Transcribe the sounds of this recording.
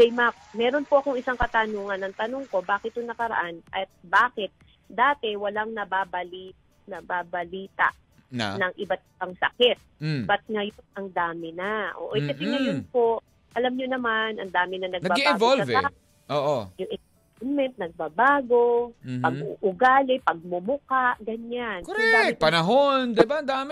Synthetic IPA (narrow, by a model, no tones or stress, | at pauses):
dɐjmak̚mɛːɾo̞npoʔɐko̞ŋɪsaŋkɐt̪anoːŋɐnːɐŋt̪ɐnoŋko̞baːkɪt̪hʊŋnɐkɐɾɐ̰ʔanʔɐt̪̚baːkɛt̪̚ | d̪aːt̪ɛwɐlaŋnɐbabɐli | nɐbabɐliːt̪a̰ʔ | nɐŋʔɪbat̪̚ɪbaŋsɐ̰kɪt̪̚bɐt̪̚ŋɐjonʔɐŋd̪aːmɪnaʔo̰ːʔokɐsɪŋɐjonpoʔ | ʔɐlamɲonɐmanɐ̰ŋd̪aːmɪnɐnɐɡnɐbabɡibɪːɡvolsɐvɛa | ʔoːʔojʊŋʔɪ | mɛnt̪̚nɐɡ̚bɐbaːɡo̞pɐɡuʔʊɡaːlɪpɐɡ̚mʊmʊkaʔɡɐɲankoɾɛd̪apɐnɐɦond̪ɪbaɐŋd̪aːm